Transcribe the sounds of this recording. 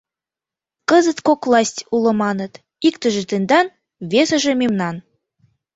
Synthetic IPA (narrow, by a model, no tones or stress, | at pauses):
kə̆zə̆t̪kokvlˠɑsʲtʲulɤ̆mɑnə̆t̪ | ikt̪ə̆ʒĕt̪end̪ɑn | βesə̆ʒĕmemnɑn